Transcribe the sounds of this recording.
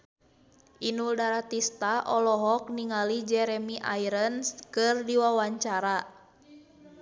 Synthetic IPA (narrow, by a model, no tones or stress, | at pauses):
ʔinuldaɾat̪ist̪aʔɔlɔɦɔk̚niŋalid͡ʒɛɾɛmiʔa̰iɾənskɨrdiwawaɲt͡ʃaɾa